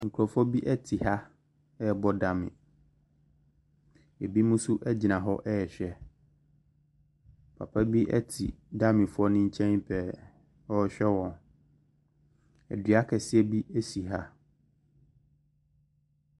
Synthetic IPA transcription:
ŋ̩˨kʰu˨ɾɔ˨fʊ˦ɔ˦bi˦ʔɛ˦tʰi˨ha˦ | ɛ˦˨bɔ˦da˨mɪ̰̃˨ | e˨bi˦mũ˦su˦ʔɛ˦d͡ʑi˨nã˨ɦɔ̰˦ʔɛ˦ɛ˨ɕᶣɛ˨ | pʰa̰˨pʰa˦bi˦ʔɛ̰˦tʰḭ˨ | da˦mɪ̃˨fʊ˦ɔ˦nɪ̃˦ɲ̩˦t͡ɕʰɛ̃˦n˦pʰɛ˨ | ɔ˦ɕᶣɛ˦wɔ̃˨n | ɛ̰˨di˨a˦kʰɛ˨sɪ˦ɛ˦bi˦e˦si˨ɦa˦

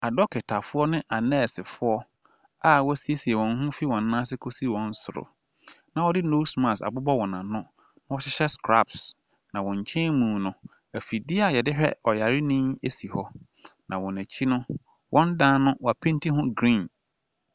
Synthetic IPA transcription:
a˨dɔ˦kʰɪ˨tʰa˨fʊ˦ɔ˦nɪ̃˦ʔa˨nɛ˦˨sɪ˨fʊ˦ɔ˦ | a˨wɔ˦si˦e˦si˨ɛ˨wɔ̃˨n˦ɦũ˦fi˦wɔ̃˨nː˦ã˦sɪ˦kʰo˦si˦˨wɔ̃˨n̩˦sʊ˨ɾʊ̰˨ | nã˨wɔ˦dɪ˦no˦smã˨sa̰˨bʊ˦bɔ˦wɔ̃˨nã˨nʊ̃˦ | nã˦wɔ˦ɕɪ˦ɕɛ˦skʰɾa̰˦˨ps | nã˨wɔ̃˨ɲ˨t͡ɕʰɛ̃˦mũː˨nʊ̃˨ | æ˨fi˨dɪ˦a˨jɛ˨dɪ˦ɦᶣɛ̰˦ɔ˨ja˨ɾi˦nɪ̃˦me˦si˨hɔ˦ | nã˨wɔ̃˨næ˨t͡ɕʰi˦nʊ̃˦ | wʔɔ̃˦n˦dã˦nʊ̃˦wɔ˨a˨pʰɪ̃˦nti˦ɦʊ̃˦ɡɾĩ˦˨n

